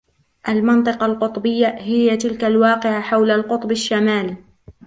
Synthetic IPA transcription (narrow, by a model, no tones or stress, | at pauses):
ʔalmɑnt̪ˤɨqɑlqʊt̪ˤbɪjːahɪjːat̪ɪlkalwɑːqɪʕaħawlalqʊt̪ˤbaʃːamaːl